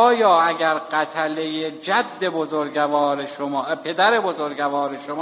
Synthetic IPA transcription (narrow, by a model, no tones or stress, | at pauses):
jɒːæɡæɾɢæt̪ʰælejed͡ʒæd̪ːe̞bozoɾɟævɒːɾeʃomːpʰe̞d̪æɾe̞bozoɾɡævɒːɾeʃomː